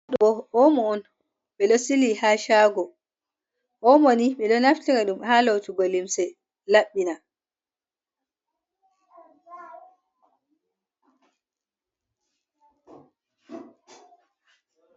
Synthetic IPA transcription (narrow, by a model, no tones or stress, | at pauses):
ɗɔʔɔmɔːn | ɓɛɗɔsilihaːʃaːɡɔ | ʔɔmoniɓɛɗɔnaftiɾɛɗumhalowtuɡolimsɛ | laɓːina